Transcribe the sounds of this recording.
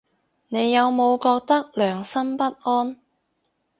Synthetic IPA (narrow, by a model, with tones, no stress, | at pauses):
ne˨˧jːɐ˨˧wmo˨˧wkɔː˧k̚t̪ɐ˥k̚lœː˨˩ŋsɐ˥mpɐ˥t̚ʔɔː˥n